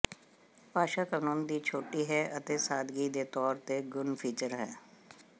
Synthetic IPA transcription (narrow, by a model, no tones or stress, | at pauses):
paːʃaːkənoːnd̪iːt͡ʃʰoːʈiːɦɛːʔət̪eːsaːd̪ɡiːd̪eːt̪ɔːɾt̪eɡʊnpʰiːt͡ʃəɾɦɛː